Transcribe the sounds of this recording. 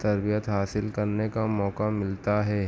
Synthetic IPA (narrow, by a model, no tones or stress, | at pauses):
t̪ɐɾbijət̪ɦaːsɪlkɐɾnekamɔːkamɪlt̪aɦɛː